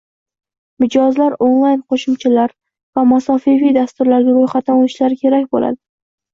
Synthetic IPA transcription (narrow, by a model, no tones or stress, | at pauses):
mɪd͡ʒɒzlaɾonlˠajnqʰoʃɪmt͡ʃʰɪlaɾ | vamasɒfivijd̪ast̪ʊɾlaɾɡʲaɾojχat̪ːanoɪʃlaɾkʲʰe̞ɾakʲbo̰la̰d̪ɪ